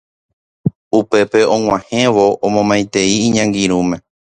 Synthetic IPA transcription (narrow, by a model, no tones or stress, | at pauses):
upe̞pe̞õ̞ŋ̃ʷãhẽ̞ʋo̞ʔõmõmãj̃t̪e̞iːɲãŋɡiɾũmẽ̞